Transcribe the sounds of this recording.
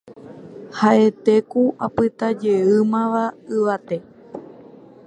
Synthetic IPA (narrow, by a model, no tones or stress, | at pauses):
haʔe̞t̪e̞kuapɨt̪ad͡ʒe̞ɨmãʋaɨʋat̪e̞